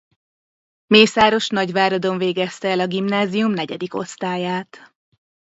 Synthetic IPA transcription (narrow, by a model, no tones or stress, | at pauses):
meːsaːɾo̞ʃnɒɟʋaːɾɒd̪o̞ɱveːɡɛst̪ɛɛlɒɡimnaːzijumnɛɟɛd̪iko̞̰st̪aːjaːt̪